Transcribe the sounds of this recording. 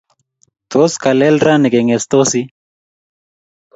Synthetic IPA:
t̪o˦ska˨lɛ˦lɾa˦ni˨ke˨ŋe˨st̪osi˦

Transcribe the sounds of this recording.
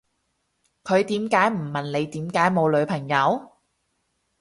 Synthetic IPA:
kʰɵ˨˧ɥt̪iː˨˥mkaː˨˥jm̩˨˩mɐ˨˩nle˨˧jt̪iː˨˥mkaː˨˥jmo˨˧wlɵ˨˧ɥpʰɐ˨˩ŋjɐ˨˧w

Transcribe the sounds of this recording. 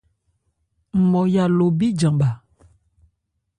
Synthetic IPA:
m̩˨mɔ˨ja˨lo˨bi˦d͡ʒa˨ŋba˨

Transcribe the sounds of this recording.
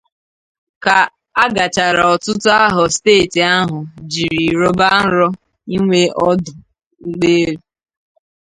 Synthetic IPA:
ka˨ | a˦ɡa˨t͡ʃa˨ɾa˨ɔ˨tʊ˦tʊ˦a˦ɦɔ˨steː˦˨ti˨a˦ɦʊ˨d͡ʒi˨ɾi˨ɾo˦ba˦n̩˦ɾɔ˦ | i˦ŋʷe˦ʔɔ˦dʊ˨ | ŋ̩˦ɡ͡beː˦ɾ

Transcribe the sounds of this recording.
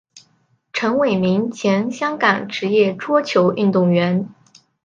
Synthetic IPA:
ʈ͡ʂʰɤ˧˥ŋwe˨˩ɪmi˧˥ŋt͡ɕʰjɛ˧˥nɕjɑ˥ŋkɑ˨˩ŋʈ͡ʂɻ̩˧˥jɛ˥˩ʈ͡ʂwɔ˥t͡ɕʰjo˧˥ʊi˥˧nt̪ʊ˥˩ŋɥɛ˧˥n

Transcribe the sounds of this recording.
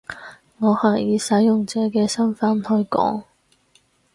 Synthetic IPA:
ŋɔː˨˧haː˨˩jiː˨˧sɐ˨˥jjʊ˨ŋt͡sɛː˨˧kɛː˧sɐ˥nfɐ˨˥nhɵ˧ɥkɔ̰ː˨˥ŋ

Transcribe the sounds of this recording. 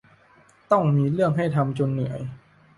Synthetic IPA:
t̪ɔ˥˩ŋmiː˧ɾɯ˥˩əŋɦa˥˩jt̪ʰa˧mt͡ɕo˧nːɯ˩˦əj

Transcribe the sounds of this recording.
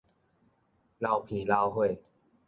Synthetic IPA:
la˧wpʰĩ˨˦la˧wɦwe˥˩j

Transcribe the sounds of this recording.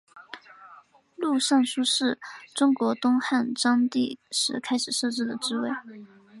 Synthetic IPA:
lu˥˧ʂɑ˥˩ŋʂu˥ʂɻ̩˥˩ʈ͡ʂʊ˥ŋkwɔ˧˥t̪ʊ˥ŋxa˥˩nʈ͡ʂɑ˥ŋt̪i˥˩ʂɻ̩˧˥kʰa˥ɪʂɻ̩˨˩ʂɤ˥˧ʈ͡ʂɻ̩˥˩d̪ə˩ʈ͡ʂɻ̩˥we˥˩ɪ

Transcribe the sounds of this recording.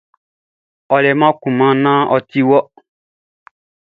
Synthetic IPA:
ɔ˨lɛ˨mã˦kũ˨mã˦nã˦ʔɔ˦t̪i˦wɔ˦

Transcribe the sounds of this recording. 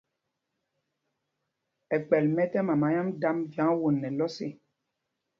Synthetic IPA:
ɛ˨k͡pɛ˨lmɛ˦tɛ˦mã˨ma˨˦ɲã˦mda˦mvjã˨˦wo˨nːɛ˨lɔ˦se˨

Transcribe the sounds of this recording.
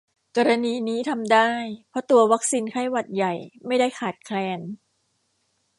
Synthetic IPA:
kɔː˧ɾa˧niː˧niː˦˥t̪ʰa˧mdaː˥˩jpʰɔ˦˥t̪u˧ɐwa˦˥k̚siː˧nkʰa˥˩jwa˨˩t̪̚ja˨˩jma˥˩jdaː˥˩jkʰaː˨˩t̪̚kʰlɛː˧n

